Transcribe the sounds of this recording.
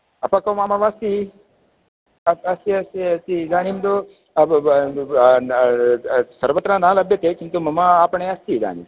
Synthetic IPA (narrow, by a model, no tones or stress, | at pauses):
ɐpakɐwmaːmaʋaːst̪i | ɐsiɐst̪iɐsid̪aːnimd̪o | səɾʋət̪ɾanaːlɐbjət̪ekint̪umɐmaːpəɳeɐst̪iːd̪a̰ːnḭ